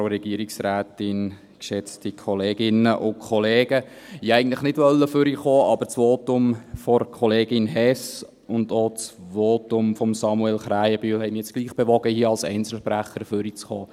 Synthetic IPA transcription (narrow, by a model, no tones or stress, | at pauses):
ɾɛɡ̥iəɾiksræːtɪn | kʃɛt͡stikʰɔleːɡɪnəʔʊkʰɔleːɡ̥ə | hiːɛɪɡən̩tləχnɪdʋœlːəfʏɾiχoːʔɑbəɾt͡sʋoːtʊmfɔɾkʰɔleːɡɪnɦɛs | ʊndot͡sʋoːtʊmfɔmsɑmuɛlχɾæːjəbyːhɛɪmjɛt͡sɡ̥liːχb̥eʋɔɡ̥əhiəɑlsɛ̰ɪnt͡sl̩ʃpɾæχəɾfʏɾit͡sχoː